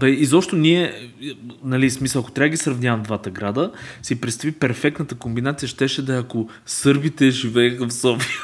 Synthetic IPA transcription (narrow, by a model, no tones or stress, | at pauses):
bɛizɔpʃt̪onʲiɛ | nɐlismisəɐko̥t̪ɾʲavəɡisɾɐvnʲjavɐmd̪vat̪əɡɾad̪əsipɾɛt̪st̪ɐvipɛɾfɛk̚t̪nət̪əkombinat̪sijəʃt̪ɛʃɛd̪ɐiɐko | sɤɾbit̪ɛʒivɛːxəfsɔfiə